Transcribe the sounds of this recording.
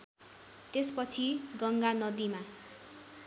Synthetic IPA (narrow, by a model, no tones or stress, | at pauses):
t̪espʌt͡sʰiɡʌŋɡanʌd̪ima